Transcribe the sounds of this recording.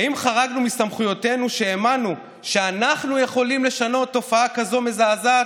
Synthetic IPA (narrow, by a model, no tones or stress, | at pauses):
aimχaʁaɡnumist̪amχujo̞te̞nuʃeːmanu | ʃe̞anaχnuje̞χo̞limle̞ʃano̞t̪ːo̞faakazo̞me̞zaːza